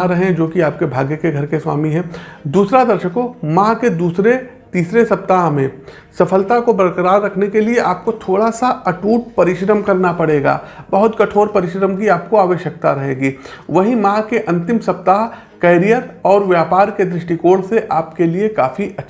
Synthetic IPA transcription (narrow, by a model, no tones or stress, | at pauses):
ɾɐɦẽd͡ʒoːkiaːp̚kebʱaːɡjəkeɡʱɐɾkeswa̰ːmiɦɛ̃ːd̪uːsɾad̪ɐɾʃəkomãːked̪uːsɾe | t̪iːsɾesɐp̚t̪aːɦmẽ | sɐfʰəlt̪akobɐɾkɾaːɾɾɐkʰnekelieʔaːp̚kot̪ʰoːɽasaɐʈuːʈ̚pɐɾɪʃɾəmkɐɾnapɐɽeːɡa̰ːbɐɦʊt̪kɐʈʰoːɾpɐɾɪʃɾəmk̬iaːp̚koaːʋəʃjək̚t̪aɾɐɦeːɡiː | ʋɐɦimãːkeʔɐ̃nt̪ɪmsɐp̚t̪aːɦ | kɐːɾijət̪ɔːɾʋjaːpaːɾked̪ɾɪʃʈikoːɽseʔaːpkeliekaːfiʔɐtːʃ